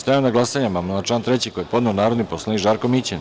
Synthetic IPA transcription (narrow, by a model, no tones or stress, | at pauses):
st̪ajanaɡlˠasaɲamamonat͡ʃlˠaːnt̪ɾet͡ɕikojepo̞d̪neonaːɾo̞d̪niposlˠanikʒaːɾkomit͡ɕen